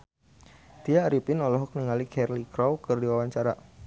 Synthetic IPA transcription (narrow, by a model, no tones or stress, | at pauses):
t̪iaːɾipɪnɔlɔɦɔk̚niŋalikʰɛrlikɾɔwkɨrdiwawaɲt͡ʃaɾa